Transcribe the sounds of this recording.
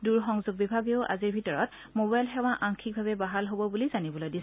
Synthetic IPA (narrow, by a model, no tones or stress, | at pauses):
duɹxɔŋzuɡ̚bibʱaɡjoʊʔa̰ziɹbʱitɔɹɔt | mobajlxɛwaʔaŋkʰik̚bʱaβɛbaɦalɦobɔbulizanibɔlojdis